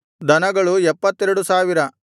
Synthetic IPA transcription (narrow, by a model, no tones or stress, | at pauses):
d̪ɐnɐɡɐɭuɛpːɐt̪ːɛɾɐɽusaːʋiɾɐ